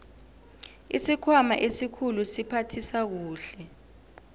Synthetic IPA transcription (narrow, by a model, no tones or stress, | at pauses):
ḭsikʰwama̰ʔesikʰulusipʰatʰisak̬uːɬɛ